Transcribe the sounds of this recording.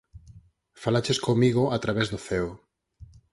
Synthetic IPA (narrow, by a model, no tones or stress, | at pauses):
falat͡ʃeskomiɣʊat̪ɾaβezðoθɛo